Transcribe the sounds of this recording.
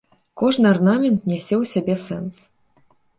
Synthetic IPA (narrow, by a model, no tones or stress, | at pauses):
kɔʐnɨarnamʲɛnt̪̚nʲɛsʲɛwsʲabʲɛsɛ̰ns